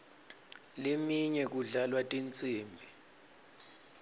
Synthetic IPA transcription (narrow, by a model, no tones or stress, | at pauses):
lemiɲɛk̬uɮalwatʼint͡sʼiːmbʱi